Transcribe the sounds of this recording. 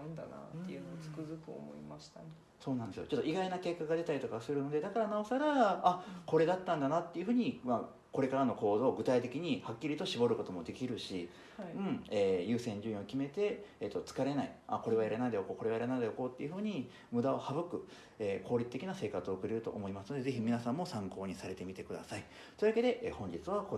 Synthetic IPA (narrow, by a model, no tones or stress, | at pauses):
nd̪ana̰t̪ːeɯ̟not͡sɨ̥kɯzɨkɯo̰mo̰ḭmaɕi̥t̪a | so̞ːnãnd̪e̞sɨjo̰t͡ɕo̞t̪ːoiɡainake̞kːaɡad̪e̞t̪aɾit̪o̞kasɨɾɯ̟no̞d̪e̞d̪akaɾanao̞saɾaako̞ɾe̞d̪at̪ːãnd̪anat̪ːe̞iɯ̟ɸɯ̟ːɲ̟ima | ko̞ɾe̞kaɾano̞ko̞ːd̪o̞ːɡɯ̟t̪ait̪e̞kʲiɲ̟ihakʲːiɾʲit̪o̞ɕibo̞ɾɯ̟ko̞t̪o̞mo̞d̪e̞kʲiɾɯ̟ɕi | ɯ̟̃ɴeːjɯ̟ːsẽ̞ɲ̟d͡ʑɨĩokʲime̞t̪e̞ːt̪ːo̞t͡sɨ̥kaɾe̞naiako̞ɾe̞βaiɾenaid̪eokoːko̞ɾe̞βaiɾenad̪eoko̞ːt̪ːe̞iɯ̟ɸɯ̟ːɲ̟i | mɯ̟d̪ao̞habɯ̟kɯ̟ | eːkʰo̞ːɾʲit̪ːekʲinase̞ːkat͡sɨo̞ːkɯ̟ɾe̞ɾɯ̟t̪o̞̰ʔːmo̞imasɨno̞d̪e̞zeçimʲinasãmːo̞sãŋko̞ːɲ̟isaɾe̞t̪e̞mʲit̪e̞kɯ̟d̪a̰sai | t̪o̞ed̪ake̞d̪e̞ʔeːhõ̞ɲ̟d͡ʑit͡sɨβako